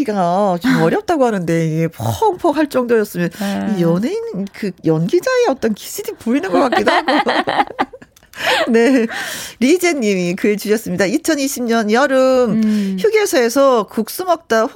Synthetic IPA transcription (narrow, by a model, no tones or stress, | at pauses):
iɡat͡ɕomʌɾjʌp̚t͈aɡohanɯnde̞iɡe̞pʰŋpʰʌkhaɭt͡ɕ͈ʌŋdojʌs͈ɯmjʌnijʌnenkɯjʌnɡid͡ʑaeʌt͈ʌnki̥sʰɯdipoinɯnɡʌk͈akk͈idoɦaɡo | ne̞ɾid͡ʑeɲːimikɯet͡ɕuɕʌs͈ɯmɲidait͡ɕʰʌniɕʰimɲʌnjʌɾɯmçjuɡjesʰaesʰʌkuk̚s͈umʌk̚t͈a